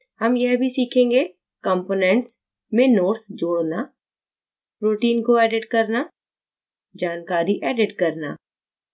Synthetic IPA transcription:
hɐmjɛɦbʱisiːkʰẽːŋɡe | kɔ̃mpoːnɛ̃ɳʈs | mẽnoːɾsd͡ʒoːɽna | pɾoːʈiːnkoɛːɖɪʈkɐɾna | d͡ʒaːnkaːɾiʔɛːɖɪʈkɐɾna̰ː

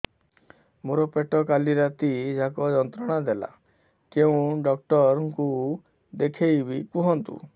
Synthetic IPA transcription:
moɾɔpeʈɔkaliɾat̪id͡ʒakɔd͡ʒɔnt̪ɾɔɽ̃ad̪ela̰ | keũɖɔk̚ʈɔɾɔŋku | d̪ekʰejbikuɦɔnt̪ṵ

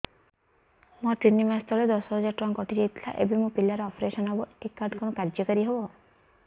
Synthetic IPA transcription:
mɔ̃t̪inimast̪ɔɭed̪ɔsɔɦɔd͡ʒaɾʈɾɔŋkɔʈʰiɾet̪ʰla̰ʔḛbʱimũpilːaɾɔɔpʰɾeʃɔnabɔekːaɾɖkɔnɔkaɾd͡ʒɔkɔɾiɦebɔ

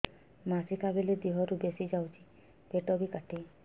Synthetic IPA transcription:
masikʰabeled̪iɦɔɾubesid͡ʒawt͡ʃʰi̥ | peʈɔbikaʈʰi

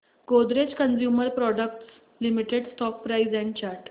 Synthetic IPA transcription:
ɡod̪ɾet͡ɕkənd͡ʑjuməɾpɾɔɖək̚ʈs | limiʈeɖsʈɔk̚pɾaizɛ̃ɳɖ̚t͡ɕaɾʈ

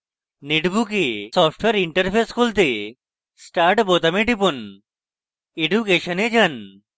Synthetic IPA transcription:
neʈbukesɔpʰʈweɾiɳʈəɾpʰeskolt̪e | sʈaɾʈbot̪ameɖipon | eɖjukeʃəned͡ʑan

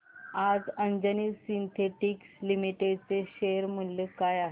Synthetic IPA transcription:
ad͡zəɲd͡ʑəniːsint̪ʰeʈikslimiʈeɖt͡seɕeɾm̤əlːekajaɦe

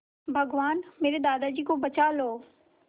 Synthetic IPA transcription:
bʱɐɡʋaːnmeːɾed̪aːd̪ad͡ʑiːkobɐt͡ɕaːloː

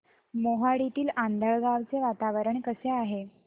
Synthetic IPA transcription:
moɦaɽit̪iːland̪ʱəɭɡaʋt͡seʋat̪aʋəɾəɳkəseaɦe

